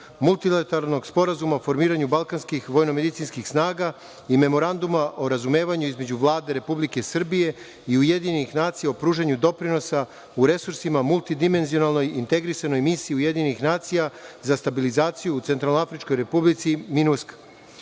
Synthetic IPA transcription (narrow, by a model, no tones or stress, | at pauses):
mulˠt̪ilet̪alno̞ɡspo̞ɾazumaofo̞ɾmiːɾaɲubalˠkanskixʋo̞jno̞me̞d̪it̪sinskixsnaːɡa | ime̞mo̞ɾand̪umaʔo̞ɾazume̞ːʋaɲuizme̞d͡ʑuʋlˠaːd̪e̞ɾe̞publike̞sr̩bije̞ | iuje̞d̪iɲenixnaːt̪sijaopɾuːʒeɲud̪o̞pɾino̞sa | uɾe̞suɾsimamulˠt̪id̪ime̞nzio̞nalˠno̞jḭnt̪e̞ɡɾisano̞jmisiːuje̞d̪iɲenixnaːt̪sijazast̪abilizaːt̪sijuːt̪se̞nt̪ɾalnoafɾit͡ʃko̞jɾe̞publit̪siminusk